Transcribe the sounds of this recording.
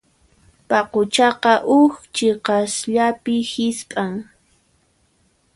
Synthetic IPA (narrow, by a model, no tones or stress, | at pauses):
pɑqʊt͡ʃɑqɑʔʊxt͡ʃɪqɑsʎapɪhɪspʼaŋ